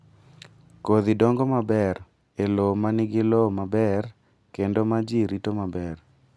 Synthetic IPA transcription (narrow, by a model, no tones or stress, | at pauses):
koðɪdoŋɡomabɛr | elomanɪɡɪlomabɛr | kendomad͡ʒiɾitomabɛr